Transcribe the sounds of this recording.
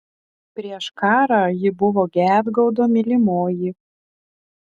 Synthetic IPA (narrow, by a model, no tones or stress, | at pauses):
pʲɾʲiɛʃkɑːɾɑjɪbʊʋoːɡʲæːd̪ɡɐʊd̪oːmʲɪlʲɪmoːji